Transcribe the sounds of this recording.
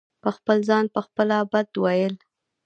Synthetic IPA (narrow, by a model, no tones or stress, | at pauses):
pəxpəlzɑnpəxpəlabad̪wajəl